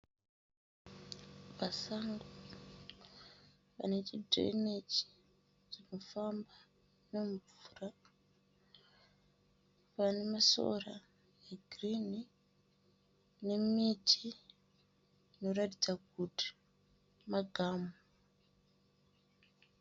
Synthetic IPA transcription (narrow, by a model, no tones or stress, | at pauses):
ʋasaŋɡo | pa̰net͡ʃidʱo̰inet͡ʃi̥ | ʐinofamba | neɱvuːra | pane̞maso̰ra | eɡʱrini | ne̞mitʰi | ino̞ratid͡zak̚uti̥ | maɡʱaːmo